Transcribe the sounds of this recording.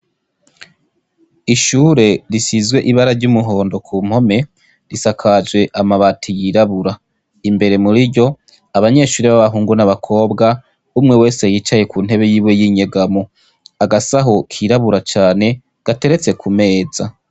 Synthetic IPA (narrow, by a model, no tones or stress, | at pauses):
iʃuːɾe̞ɾisizɡwe̞ʔiβaɾaɾɟumuɦo̞ːndo̞kʰuːm̥ho̞me̞ | ɾisakʰad͡ʒwe̞ʔamaβatʰijiɾaβuɾa | imbe̞ɾe̞muɾiɾɟo̞ | aβaɲe̞ʃuːɾeβaβaɦuːŋɡunaβakʰo̞ːbɡa | umŋe̞we̞ːsejit͡ʃaje̞kuːn̥he̞βe̞jiːβwe̞jiɲeɡamo | aɡasaɦo̞kʰiɾaβuɾat͡ʃaːne̞ | ɡ̥ate̞ɾe̞t͡se̞kʰume̞ːza